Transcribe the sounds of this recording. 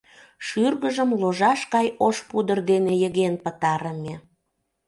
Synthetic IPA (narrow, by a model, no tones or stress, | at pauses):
ʃyrɣəʒəmloʒɑʃkɑjoʃpud̪ərd̪enejəɣenpət̪ɑɾəmʲe